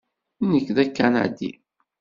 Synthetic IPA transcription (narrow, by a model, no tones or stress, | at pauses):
nəkːðækːæna̰d̪ḭ